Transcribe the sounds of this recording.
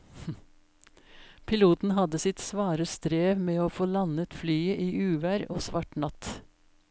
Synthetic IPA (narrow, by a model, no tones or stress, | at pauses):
pʰɪluːt̪n̩ɦɑd̪əsɪt̪sʋɑːɾəst̪ɾeːʋmeːoːfoːlɑnət̪flyːəʔiːʔʉːʋæːɾoːsʋɑʈɳɑt̪